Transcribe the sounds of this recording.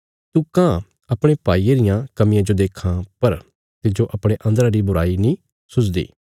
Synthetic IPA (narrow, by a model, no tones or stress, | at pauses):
t̪ukãː | ɐpɽ̃epaːieɾɪjãkɐmɪ̃jãd͡ʒod̪eːkʰãpɐɾ | t̪ɪd͡ʒoʔɐpɽ̃eʔɐ̃nd̪əɾãɾibʊɾaːinĩ | sʊt͡ʃd̪ḭː